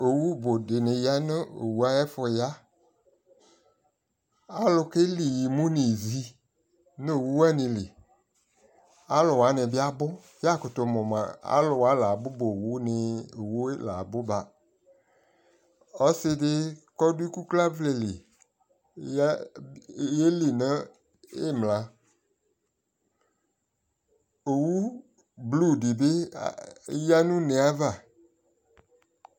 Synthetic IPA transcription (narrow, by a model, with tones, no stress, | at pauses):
o˨wu˦bʊ˨dɪ˨nɪ˨ja˦nɪ˦o̰˨wu˦a˦jɛ˦fʊ˨ja˦ | a˦lʊ˨kɪ˦li˨ji˨mʊ̃˦ni˨zi˦ | n˦o˨wu˦wa˦nɪ̃˨lɪ˨ | a˦lʊ˨wa˨˦nɪ˨bɪ˦a˦bʊ˦ | ja˦˨kʊ˨tʊ˨mʊ˨ma̰˨a̰˦lʊ˨wa˨˦la˨bʊ˦bo˨wu˦nɪ˨o˨wu˦la˨bʊ˦ba˨ | ɔ˦sɪ˦dɪ˦kɔ˦du˦i˦ku˦kla˦vle˨li˨˦ | je˦li˨nã˦ | e˦˨mlã˨ | o˨wu˦ | blu˦˨di˨bɪ˦ | ja˦nũ˦nɛ̃˨a˦va˨